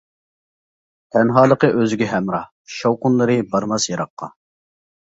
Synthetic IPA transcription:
t̪ʰɛnɦɑːlˠəqəʔøzɪɡʲɛɦɛmɾɑ | ʃɑwqʊnlˠɨɾɨbɑɾmɑsjɑɾɑqːɑ̰

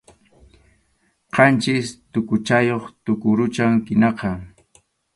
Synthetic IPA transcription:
qʰɑnt͡ʃɪst̪ʊkʊt͡ʃajoχt̪ʊkʊɾʊt͡ʃaŋkɪnɑqɑ

